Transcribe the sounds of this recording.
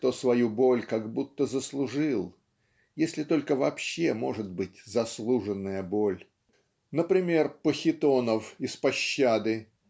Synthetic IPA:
t̪osvɐjubo̞lʲkaɡbut̪ːəzəslˠʊʐɨlˠ | jesʲlʲɪt̪o̞lʲkəvɐpɕːemo̞ʐɨt̪̚bɨtʲzɐslˠuʐɨnːəjəbo̞lʲ | nəpɾʲɪmʲe̞rpəxʲɪt̪o̞nəfɪspɐɕːad̪ɨ

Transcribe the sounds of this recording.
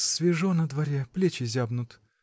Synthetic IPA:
sʲvʲɪʐonəd̪vɐɾʲeɛplʲet͡ɕɪzʲabnʊt̪

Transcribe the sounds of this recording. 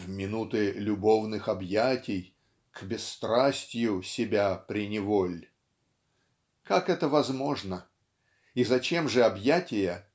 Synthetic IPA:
vmʲɪnut̪ɨlʲʊbo̞vnɨxɐbjatʲɪj | kbʲɪst̪ɾasʲtʲjʊsʲɪbʲapɾʲɪnʲɪvo̞lʲ | kakɛt̪əvɐzmo̞ʐnə | izɐt͡ɕe̞mʐɨɐbjætʲɪjə

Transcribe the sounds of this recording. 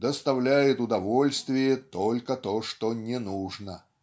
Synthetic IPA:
d̪əst̪ɐvlʲæjɪt̪ʊd̪ɐvolʲst̪vʲɪjət̪olʲkət̪oʂt̪onʲɪnuʐnə

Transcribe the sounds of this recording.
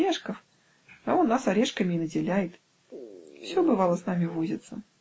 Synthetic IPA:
eʂkəf | a̰onːasɐɾʲeʂkəmʲɪːnədʲɪlʲæjɪt̪ | fsʲobɨvalˠəsnamʲɪvuzʲɪt̪sə

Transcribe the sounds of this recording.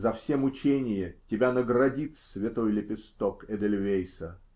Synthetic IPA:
zɐfsʲemʊt͡ɕenʲɪjətʲɪbʲanəɡrɐdʲit̪sʲvʲɪt̪ojlʲɪpʲɪst̪okɛd̪ʲelʲvʲejsə

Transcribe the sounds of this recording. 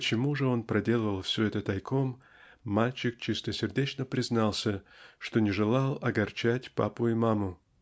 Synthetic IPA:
pət͡ɕɪmuʐɨo̞npɾɐdʲe̞lˠəvəlˠfsʲɵɛt̪ət̪ɐjkʰomː | alʲt͡ɕɪkt͡ɕɪst̪əsʲɪrdʲet͡ɕnəpɾʲɪznɑlˠsʲəʂt̪o̞nʲɪʐɨlˠɑlˠɐɡɐrt͡ɕætʲpa̰pʊɪmamʊ

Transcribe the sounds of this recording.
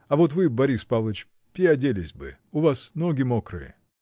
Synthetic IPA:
ɐvo̞t̪vɨbɐɾʲispavlˠət͡ɕ | pʲɪɐdʲelʲɪsʲbɨ̰ʊvasnoɡʲɪmokɾɨ̰jɪ̰

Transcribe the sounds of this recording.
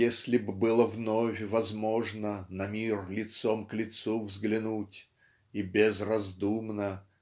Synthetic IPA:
esʲlʲɪbbɨlˠəvnofʲvɐzmoʐnənɐmʲirlʲɪt̪somklʲɪt̪suvzɡlʲɪnutʲ | ibʲɪzrɐzd̪umnə

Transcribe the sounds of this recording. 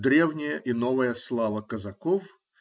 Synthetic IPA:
d̪ɾʲevnʲɪjəʔinovəjəslˠavəkɐzɐkof

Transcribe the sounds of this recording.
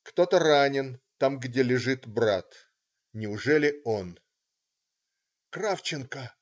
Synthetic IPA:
kt̪o̞t̪əranʲɪnt̪amɡdʲelʲɪʐɨt̪bɾat̪ | nʲɪʊʐɛlʲɪo̞n | kɾaft͡ɕɪnkə

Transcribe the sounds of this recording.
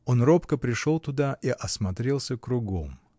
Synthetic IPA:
o̞nropkəpɾʲɪʂo̞lˠt̪ʊd̪aʔiʔɐsmɐt̪ɾʲelˠsʲəkɾʊɡo̞̰m

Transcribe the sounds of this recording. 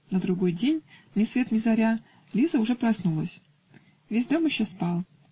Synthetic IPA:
nəd̪ɾʊɡo̞jdʲenʲnʲɪsvʲe̞t̪mʲɪzɐɾʲa | lʲizəʊʐɛpɾɐsnulˠəsʲ | vʲesʲd̪o̞mjɪɕːospɑlˠ

